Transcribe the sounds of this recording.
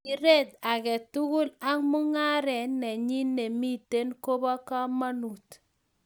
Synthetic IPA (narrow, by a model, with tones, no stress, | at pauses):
i˦ɾe˦ta˨kɛ˨tu˦ku˦la˦ŋmu˦ŋa˦ɾɛ˨nɛ˨ɲi˦ne˨mi˦te˦nko˦bɔ˦ka˦ma˦nu˨t